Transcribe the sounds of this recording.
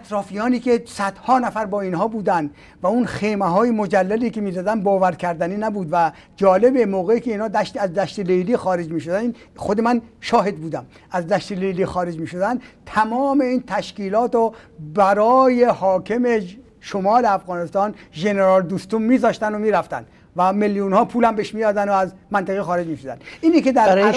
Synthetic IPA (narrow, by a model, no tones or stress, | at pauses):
æt̪ɾɒːfijɒːniːkesæd̪̥hɒːnæfæɾbɒːiːnhɒːbuːd̪ænd̪ | væunxejmæɦɒːjemod͡ʒælːæliːkemiːzæd̪ænd̪bɒːvæɾkʲʰæɾd̪æniːnæbuːd̪væ | d͡ʒɒːle̞bemoːɣeiːkʰeiːnhɒːd̪æʃt̪æzd̪æʃt̪elejliːxɒːɾed͡ʒmiːʃod̪ænn | xod̪emænʃɒːɦe̞d̪̚buːd̪æm | æzd̪æʃt̪elejliːxɒːɾed͡ʒmiːʃod̪ænd̪t̪ʰæmɒːme̞iːnt̪ʰæʃkiːlɒːt̪obæɾɒːjehɒːkʰeme | ʃomɒːleæfɣɒːnest̪ɒːnʒeneɾɒːld̪uːst̪umːiːzɒːʃt̪ænd̪omiːɾæft̪æ̰nd̪ | væmeljunhɒːpʰuːlæmbeʃmiːj̪ɒːd̪ænd̪oæzmænt̪ʰeɣixɒːɾed͡ʒmiːʃod̪æ̰nd̪ʔiːniked̪æɾ